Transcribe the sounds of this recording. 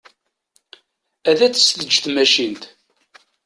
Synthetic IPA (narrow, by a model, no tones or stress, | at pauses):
æðæt͡sːə̥sθəd͡ʒːθmæʃint̪